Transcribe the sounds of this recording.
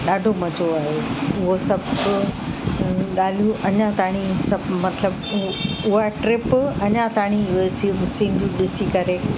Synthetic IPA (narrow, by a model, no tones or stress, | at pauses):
ɗaːɖʱomɐd͡ʑʱoaːɦeʊɦosɐb | ɠaːl̤ijũʔɐɲãt̪aːɽ̃isɐbmɐt̪ʰləb | ʊɦaʈɾɪpɐɲãt̪aːɽ̃ioesiʊsĩːnd͡ʑũɗɪsikɐɾe